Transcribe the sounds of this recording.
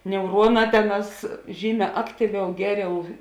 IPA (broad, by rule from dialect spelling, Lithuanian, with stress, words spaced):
nʲɛʊˈruɔˌnɑː ˈtʲæːˌnɑːs ˈʒʲiːˌmʲɛː ˈɑːktʲiːˌʋʲɛʊ ˈɡʲæːˌrʲɛʊ